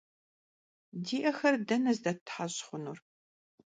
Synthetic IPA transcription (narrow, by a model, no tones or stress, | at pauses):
diːʔɐxɐrdɐnɐzdɐtʰħaɕχʷʊnur